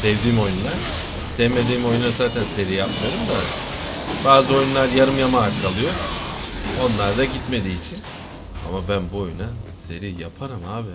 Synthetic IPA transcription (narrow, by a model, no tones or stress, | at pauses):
sɛvd̪iːmo̞junlˠaɾ̥ | sɛvme̞d̪iːmo̞junːazaːt̪ʰænse̞ɾijap̚t̪ʰaɾɯmd̪a | baːzɯo̞junlˠaɾjaɾɯmjamaːt͡ʃkalˠɯjo̞ | o̞nlˠaɾd̪aɟit̪me̞d̪iːt͡ʃʰin | a̰mabænbuo̞junase̞ɾijapʰaɾɯmaːbɪ